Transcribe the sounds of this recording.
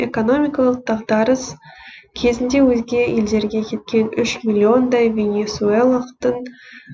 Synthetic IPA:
e̞ko̞no̞mʲijkalˠəq̚d̪ɑʁd̪ɑɾəskʲʰe̞zɪnd̪e̞wɵzɡʲe̞je̞ld̪e̞ɾɡʲe̞kʲʰe̞t̪̚kʲe̞nʏʃmʲilʲio̞nd̪ɑjvʲe̞nʲe̞suelˠaəqt̪əɴ

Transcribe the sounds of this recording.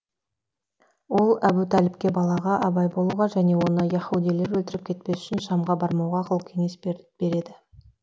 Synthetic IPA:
wo̞lˠæbut̪ʰælɪp̚kʲe̞bɑlˠɑʁɑʔɑbɑjbo̞lˠuʁɑʒæne̞wo̞nəjɑχud̪ijle̞ɾwɵlt̪ɪɾɪp̚kʲʰe̞t̪̚pe̞sʏ̥ʃɪnʃɑmʁɑbɑɾmɑwʁɑqʰəlˠkʲʰe̞ŋe̞sb̥e̞ɾe̞d̪ɪ

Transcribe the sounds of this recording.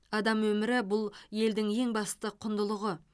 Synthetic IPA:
ɑd̪ɑmwɵmɪɾɪbʊlˠje̞ld̪ɪŋe̞ŋbɑst̪əqʰʊnd̪əlˠəʁə

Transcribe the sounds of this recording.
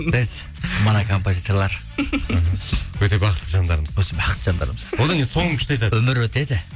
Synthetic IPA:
b̥ɪz | monakʰo̞mpozit̪ʰo̞rlˠɑɾ | ɦwɵt̪e̞bɑqət̪ːəʒɑnd̪ɑɾəməzwosəbɑqə̥t̪ːə̥ʒɑnd̪ɑ̰ɾməz̥wod̪ɑŋʲjnso̞ɴəkʰʲʏʃt̪eɑjt̪ɑwɵmɪɾwɵt̪e̞d̪ɪ

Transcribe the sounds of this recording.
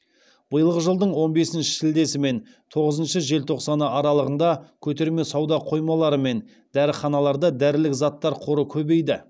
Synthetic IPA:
b̥əjəlˠʁəʒəlˠd̪əɴwo̞nbe̞sɪnʃɪ̥ʃɪld̪e̞sɪme̞n | t̪ʰo̞ʁəzənʃəʒe̞lt̪ʰo̞qsɑnəɑɾɑlˠəʁənd̪ɑkʲʰɵt̪e̞ɾme̞sɑwd̪ɑqʰo̞jmɑlˠɑɾəme̞n | d̪̥æɾɪχɑnɑlˠɑɾd̪ɑd̪æɾɪlɪkzɑt̪ːɑɾqʰoɾəkʲʰɵbe̞jd̪ɪ

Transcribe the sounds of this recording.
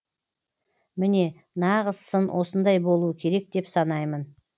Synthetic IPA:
mɪne̞ | nɑʁəzsənwʔo̞sənd̪ɑjbo̞lˠuəkʲʰe̞ɾe̞k̚d̪e̞psɑnɑjmən

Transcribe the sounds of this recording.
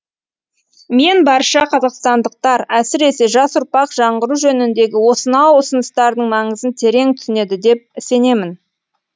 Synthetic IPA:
me̞nbɑɾʃɑqʰɑzɑqst̪ɑnd̪əq̚t̪ɑɾæsɪɾe̞se̞ʒɑsʊɾpɑqʒ̥ɑɴʁəɾuʒɵnɪnd̪e̞ɡʲɪwo̞sənɑwʊsənəst̪ɑɾd̪əɴmɑɴəzənt̪ʰe̞ɾe̞ŋt̪ʰʏ̥sɪne̞d̪ɪd̪e̞p̚ɪse̞ne̞mɪn

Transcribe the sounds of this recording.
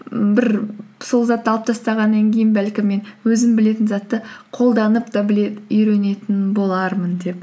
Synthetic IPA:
bɪɾso̞lˠzɑt̪ːəɑlˠəp̚t̪ʰɑst̪ɑʁɑnːɑŋkʲʰe̞jɪnbælkʲɪmːe̞nwɵzɪmbɪle̞t̪ɪnzɑt̪ːəqʰo̞lˠd̪ɑnəpt̪ɑbɪleʏjɾe̞ne̞t̪ɪnbo̞lˠɑɾmənd̪e̞p̚

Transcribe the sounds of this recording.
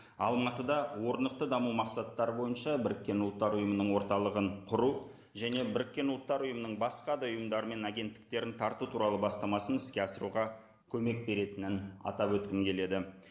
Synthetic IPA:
ɑ̰lˠmɑt̪əd̪ɑwo̞ɾnəq̚t̪əd̪ɑmumɑqsɑt̪ːɑɾəbo̞jənʃɑbɪɾɪkʲːe̞nʊlˠət̪ːɑɾʊjəmənəɴwo̞ɾt̪ɑlˠəʁəɴqʰʊɾu | ʒæne̞bɪɾɪkʲːe̞nʊlˠət̪ːɑɾʊjəmənəɴbɑsqɑd̪ɑʊjəmd̪ɑɾəme̞næɡʲe̞nt̪ːɪ̥k̚t̪e̞ɾɪnt̪ʰɑɾt̪ut̪ʰuɾɑlˠəbɑst̪ɑmɑsənɪskʲe̞ɑsəɾuʁɑ | kʲʰɵme̞k̚be̞ɾe̞t̪ɪnɪnɑ̰t̪ɑpwɵt̪̚kʲɪmkʲʰe̞le̞d̪ɪ

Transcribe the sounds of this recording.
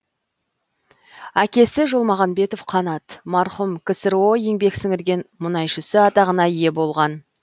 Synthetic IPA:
ækʲe̞sɪʒolˠmɑʁɑnbe̞t̪o̞fqʰɑnɑt̪mɑɾχʊmkʲʰɪsɪɾwo̞jeŋbe̞ksɪŋɪɾɡʲe̞nmʊnɑjʃɪsɪɑt̪ɑʁənɑjje̞bo̞lˠʁɑn

